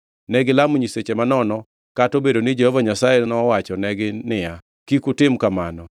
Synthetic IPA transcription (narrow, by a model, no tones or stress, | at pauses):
nɛɡɪlamɲiset͡ʃemanɔnɔ | katobedonɪd͡ʒehɔvaɲasajɛnɔwat͡ʃɔnɛɡɪnɪja | kikutɪmkamanɔ